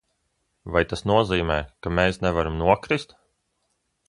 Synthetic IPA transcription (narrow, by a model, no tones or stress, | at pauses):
vajt̪asnuɔziːmɛːkameːsnɛvaɾamnuɔkɾist̪